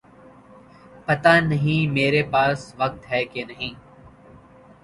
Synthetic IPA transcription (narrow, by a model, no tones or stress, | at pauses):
pɐt̪aːnəɦĩːmeːɾepaːsʋək̚t̪ɦɛːkenəɦĩː